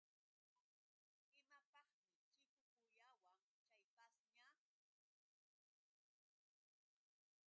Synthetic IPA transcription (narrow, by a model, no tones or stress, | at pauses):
ɪmapɑχmɪt͡ʃɪkʊkʊjawaŋ | t͡ʃajpasɲa